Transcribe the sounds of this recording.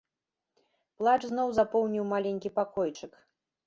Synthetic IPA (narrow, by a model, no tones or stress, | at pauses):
plˠat͡ʂznɔwzapɔwnʲiwmalʲenʲkʲipakɔjt͡ʂɨk